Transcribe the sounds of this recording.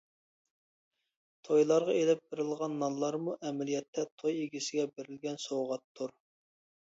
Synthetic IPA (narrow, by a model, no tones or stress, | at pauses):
t̪ʰojlˠɑɾʁɑelɪp̚beɾɪlˠʁɑnːɑnlˠɑɾmuʔɛmɛlijɛt̪ʰːɛt̪ʰojeɡʲisɪɡʲɛbeɾɪlɡʲɛnsowʁɑt̪ʰːuɾ